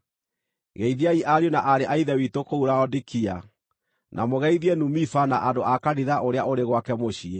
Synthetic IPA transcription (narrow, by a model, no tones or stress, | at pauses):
ɣɛiðiaiʔaɾiɔnaʔaɾeʔaiðɛwitokouɾaɔdikia | nʔa̰moɣɛiðiɛnumifanaʔadoʔakaniðaʔoɾeaʔoɾeɣwakɛmoɕie